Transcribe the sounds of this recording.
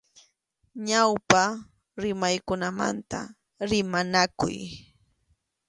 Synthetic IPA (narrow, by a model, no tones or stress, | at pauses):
ɲawpa | ɾɪmajkʊnama̰nt̪a̰ | ɾɪmanakʊ̰j